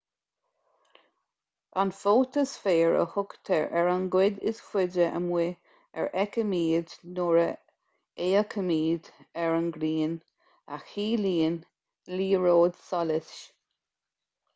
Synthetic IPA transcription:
anfoːt̪əsfeːɹə̰hʊkt̪ʰəɹʔɛɹənɡwɪd̪ɪ̰sfwɪdɾəʔə̰mwɪ | ɛ̰ɹʔɛkəmiːd̪nɔɹə | eːəkʰəmiːd̪ɛɹənɡɾiːn | a̰xiːliːn | liːɹoːd̪sɔlɪsʃ

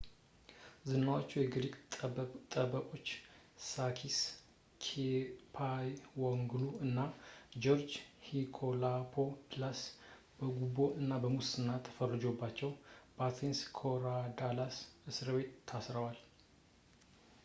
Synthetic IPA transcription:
zɨnːawot͡ʃːujɛɡɾikʼt̪ʼəəkʼo̞t͡ʃː | sakʰis | kʰepʰajwɔŋɡluɨnːad͡ʒoɾd͡ʒhikʰolapʰoplas | b̥əɡubo̞ʔɨnːabəmusɨnːat̪ʰːə̥fərːɨd͡ʒo̞bːat͡ʃːɛwb̥at̪ʰinskʰoɾad̪alasɨsɨɾbe̞t̪ʰːasɾəwal

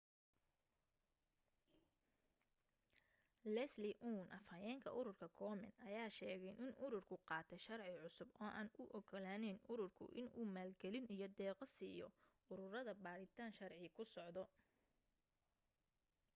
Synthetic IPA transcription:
lɛslɪʔuːnʔɐfɐjɛːŋkʰɐ̰ʔʊɾʊrkʰɐkʰɔːmɛ̰nɐjaːʃɛːɣɛjnɪnʊɾʊrkʰʊqɑːt̪ʰɛjʃɐrʕɪʕʊsʊbɔːʔaːnʊʔɔkʰɔlaːnɛnʊɾʊrkʰʊ̰ʔɪ̰nuːmaːlɡɛlɪnijɞd̪ɛːqɐsiːjɔ̰ | ʊɾʊrɐðɐbaːɾɪt̪ʰaːnʃɐrʕɪkʰʊsɔʕd̪ɔ

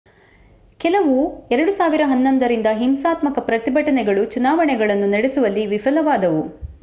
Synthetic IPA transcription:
kɛlɐʋuɛɾɐɽusaːʋiɾɐɦɐnːond̪ɐɾind̪ɐɦimsaːt̪mɐkɐpɾɐt̪ibɐʈɐnɛɡɐɭut͡ʃunaːʋɐɳɛɡɐɭɐnːunɐɽesuʋɐlːiʋifɐlɐʋaːd̪ɐʋu

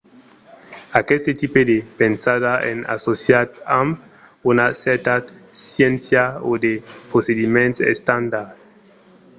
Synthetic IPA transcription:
akest̪et̪iped̪epensaðaḛna̰sosjat̪amp | unasɛɾt̪ad̪sjensjao̰d̪epɾosed̪imẽnt̪sḛst̪and̪aɾd

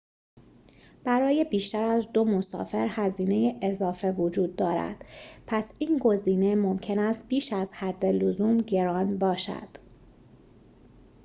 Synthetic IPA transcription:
b̥æɾɒːje̞biːʃt̪æɾæzd̪o̞mo̞sɒ̰ːfe̞ɾhæziːne̞jeʔezɒːfe̞vod͡ʒuːd̪ːɒːɾæ̰d̪̥pʰæsiːnɡo̞ziːne̞mo̞mcʰe̞næst̪̚b̥iːʃæzhæd̪ːe̞luzuːmɟe̞ɾɒːnbɒːʃæ̰d̪̥

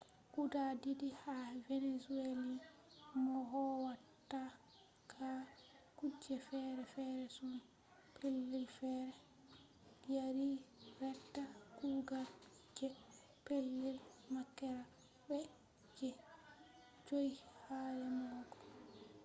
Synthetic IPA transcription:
kudadidihavenesueli | mɔɦɔwatːa | kʰakud͡ʒɛfɛɾɛfɛɾɛsun | pʰelːilfɛɾɛ | ijaɾiɾɛtːaɡuɡal | d͡ʒɛ | pelːilmakːɛɾa | ɓɛ | d͡ʒɛ | d͡ʒojhaɾɛmɔːɡɔ̥

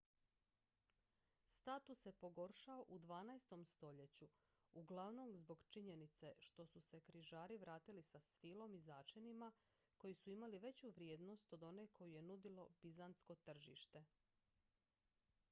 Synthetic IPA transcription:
st̪at̪usje̞po̞ɡo̞ɾʃaoʔud̪ʋaːnajst̪o̞mst̪o̞ʎe̞t͡ɕu | uɡlˠaʋno̞mzbo̞ɡt͡ʃiɲe̞nit̪se̞ʃt̪o̞suse̞kɾiʒaːɾiʋɾaːt̪ilisasfilˠo̞mizaːt͡ʃenima | ko̞jisuimaliʋe̞t͡ɕuʋɾjeːd̪no̞st̪o̞d̪o̞ne̞kʰo̞juje̞nud̪ilo̞bizant̪sko̞t̪r̩ʒḭːʃt̪e̞

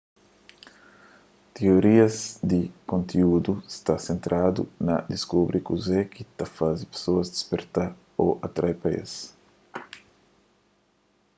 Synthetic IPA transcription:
t̪eoɾiɐzd̪ɪkõnt̪iud̪ust̪asẽnt̪ɾʔad̪ṵnɐ̰d̪iskubɾikuzɛkit̪ɐfazipe̥soɐzd̪ispeɾt̪a | o̰ʔɐt̪ɾajpaḛs

